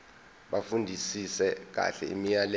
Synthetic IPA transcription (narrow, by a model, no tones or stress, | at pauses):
ɓafundʱisisɛk̬a̰ɬɛḭmijalɛ